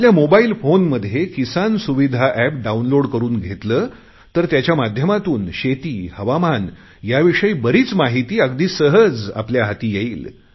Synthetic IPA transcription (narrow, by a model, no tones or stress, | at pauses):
aljamobaiːlfonməd̪ʱjekisansuʋid̪ʱaʔæp̚ɖaunloɽkəɾuːnɡʱet̪ləː | t̪əɾt̪jat͡ɕjamad̪ʱjəmat̪uːnɕet̪iːhəʋaman | jaʋiʂəiːbəɾiːt͡smaɦit̪iːəɡd̪iːsəɦəd͡za̰pljaɦat̪iːjeiːl